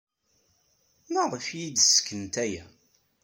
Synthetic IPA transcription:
nəʁˤfjid̪sə̥kːənt̪æjæ

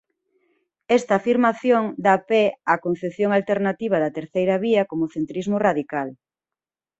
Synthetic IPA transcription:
ɛst̪ɐːfiɾmaθjoŋd̪apɛakon̟θeθjoŋalt̪eɾnat̪iβ̞ɐðɐt̪eɾθejɾɐβiɐkomʊθent̪ɾizmʊraðikal

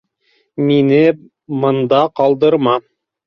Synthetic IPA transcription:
minɘ | mɤ̆nd̪ɑqɑlˠd̪ɤ̆ɾmɑ

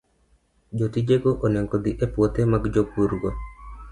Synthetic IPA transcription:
d͡ʒot̪id͡ʒeɡoʔonɛŋɡod̪iʔepwot̪emaɡd͡ʒopuɾɡo

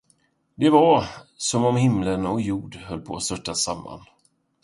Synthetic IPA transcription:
d̪ɛvaɾsɔmɔmhɪmlənɔkjuːɖhœlːpʰo̰ːa̰st̪œʈːasamːa̰n

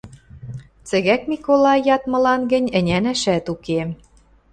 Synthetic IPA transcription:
t͡sɘ̆ɣækmʲikolɑjjːɑt̪mɤ̆lɑnɡɘ̆nʲɘ̆nʲænæʃæt̪uke

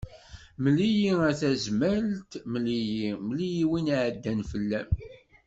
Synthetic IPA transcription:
məlijiæθæzmælt̪məlijimlijiwinʕəd̪ːænfəlːæm

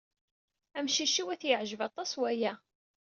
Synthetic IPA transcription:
æmʃiʃiwæθjəʕʒəvɑt̪ˤːɑswæjæ

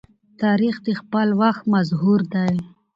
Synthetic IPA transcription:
t̪ɑɾixd̪expəlwaxt̪mazɦuɾd̪aj

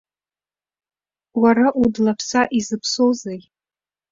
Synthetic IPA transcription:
waɾaʔudlapʰsaʔizɨpʰsozej

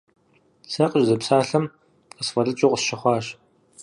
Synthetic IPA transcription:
sʰɐqʼəʒzɐpsaːɬɐm | qəsfɐrɨt͡ʃʼoqʼəsʃɐχʷɑːɕ

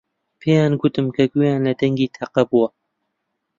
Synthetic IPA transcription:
pʰeːjaːnɡʊt̪ɨmkʰɐɡujaːnlɐd̪ɐŋɡiːt̪ʰaqɐbuwɐ

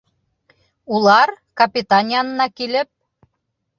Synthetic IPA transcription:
ulˠɑr | kɑpʲit̪ɑnʲjɑnːɑkilɘ̆p̚

